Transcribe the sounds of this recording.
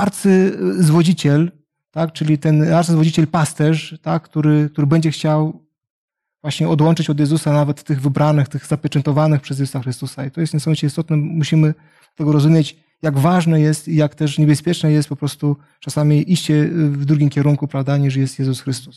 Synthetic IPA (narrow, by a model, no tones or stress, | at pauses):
aɾt̪sɘzvɔd͡ʑit͡ɕɛl | t̪akt͡ʂɘlʲit̪ɛnaɾt̪sɨzvɔd͡ʑit͡ɕɛlpast̪ɛʂt̪akkt̪uɾɘk̚t̪uɾɘbɛɲd͡ʑɛxt͡ɕaw | vwaɕɲɛɔd̪wɔnt͡ʂɘt͡ɕɔd̪jɛzusanavɛt̪ːɘɣvɘbɾʔanɘxt̪ɘɣzapʲjɛt͡ʂɛnt̪ɔvanɘxpʂɛzjɛzusaxɾɘst̪usait̪ɔjɛst̪nasɔ̃mt͡ɕɛist̪ɔt̪nɛmuɕimɘ | at̪ɛɡɔɾɔzumʲjet͡ɕ | jaɡvaʐnɛjɛst̪ijakt̪ɛʂɲɛbɛspʲjɛt͡ʂnɛjɛst̪̚pɔpɾɔst̪u | t͡ʂasamʲiʔiɕt͡ɕɛvd̪ɾuɡʲimkʲɛɾuŋkupɾavd̪aɲiʂ̬jɛst̪jɛzusxɾɘst̪u̥s